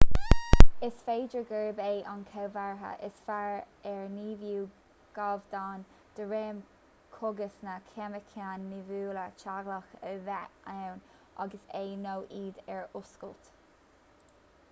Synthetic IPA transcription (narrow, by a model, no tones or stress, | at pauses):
ɪsfeːd͡ʒəɡəɹbeːʔɑnkʰawvaɹɦə̰ʔɪsfaɹ | ɛɹniːvjuː | ɡ̥avd̪aːn | d̪̥əɹeːm | kʰʊɡəsnakʰɛməkʰanːivuːlət͡ʃaɡləxəvɛawn | ʔaɡəseːnowʔiːd̪ɛɹʊskəlt̪